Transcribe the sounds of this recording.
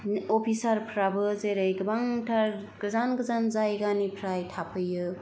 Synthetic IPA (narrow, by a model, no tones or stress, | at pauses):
opʰisaɾpʰɾabɯzeɾɯjɡɯbaŋtʰaɾ | ɡɯzanɡɯzanzajɡanipʰɾajtʰapʰɯjɯ